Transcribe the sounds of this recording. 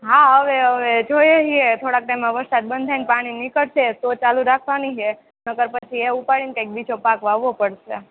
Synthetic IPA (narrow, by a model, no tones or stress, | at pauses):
ɦaɦəʋeəʋed͡ʒʱojəɦiet̪ʰoɽak̚ʈajmːãʋəɾsad̪̚bənd̪ʱanpaɽ̃inikəɽʃet̪ot͡ʃaluɾakʰʋaniɦe | nəɡəɾpət͡ʃʰieupaɭinkajk̚bit͡ʃʰopakʋaʋːopəɽʃe